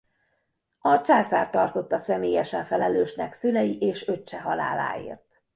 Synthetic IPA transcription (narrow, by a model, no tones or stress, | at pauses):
ɒt͡ʃaːsa̰ːrt̪ɒrt̪o̞t̪ːɒsɛmeːjɛʃɛɱfɛlɛløːʃnɛksynɛjiʔeːʃø̞t͡ʃːɛɦɒla̰ːla̰ːḛːrt̪